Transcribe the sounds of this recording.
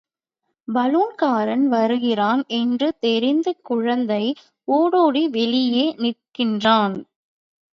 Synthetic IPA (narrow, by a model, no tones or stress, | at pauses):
bɐluːnkaːɾɐnʋɐɾɯɣɪraːnɛndrɯt̪ɛɾɪnd̪ɯkʊɻɐnd̪ɐɪ | oːɽoːɽiʋɛlɪjeːnɪrkɪndraːn